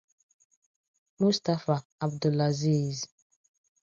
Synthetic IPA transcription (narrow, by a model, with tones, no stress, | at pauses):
mu˦st̪a˦fa˨a˨b̚d̪u˨la˨ziː˦˨z